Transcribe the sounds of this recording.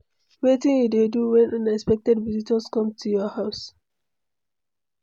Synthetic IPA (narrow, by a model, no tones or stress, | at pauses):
wetĩnjudeduwɛ̃nʔʌ̃nɛkspɛk̚tɛdvizitɔskʌ̃mtʰujɔhaʊs